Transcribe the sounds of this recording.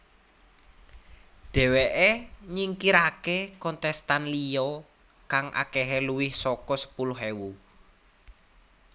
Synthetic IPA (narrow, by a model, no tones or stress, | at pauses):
d̪̥ɛ̤weʔeɲiŋkiɾakekɔnt̪ɛst̪anlijɔ | kaŋʔa̰keɦeluwɪhsɔkɔsə̥pulʊɦewu